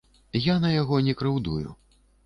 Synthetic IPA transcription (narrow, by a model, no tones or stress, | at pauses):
janɐjaɣɔnʲɛkɾɨwd̪ujṵ